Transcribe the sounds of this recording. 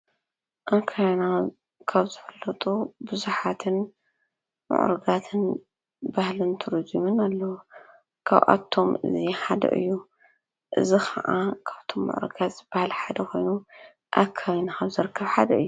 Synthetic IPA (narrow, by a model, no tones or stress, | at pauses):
ʔakʰajana | kʰaβzɨfɨlːɐt̪ʼubɨzuħat̪ʰɨn | mʊ̰ʕ̰ɾɨɡat̪ʰɨn | bahlɨnt̪ʰɨɾizumɨnalːɐwu | kʰa̰βʔa̰t̪ʰːo̞mɨ̰ziħad̪ɐ̰ʔɨ̰jːu | ʔɨ̰zixʰɐ̰ʔakʰaβt̪ʰo̞mːʊ̰ʕɾɨ̰ɡat̪zɨb̥ahlħad̪ɐxo̞jnu | ʔa̰kʰaβnakʰaβzɨɾɨkʰːɐβħad̪ɐɨjːu